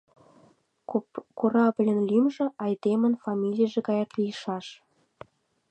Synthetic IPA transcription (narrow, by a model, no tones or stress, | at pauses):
korɑblʲə̆nlymʒĕʔɑjd̪emənfɑmʲilʲijəʒĕkɑjɑk̪lijəʃɑʃ